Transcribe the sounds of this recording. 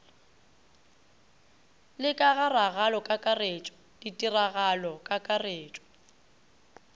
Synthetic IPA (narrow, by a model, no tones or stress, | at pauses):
lɪkʼaɣaraɣalɔkʼakʼaret͡ʃʼɔ̥ | d̥itʼiraɣalɔkʼakʼareːt͡ʃʼɔ̥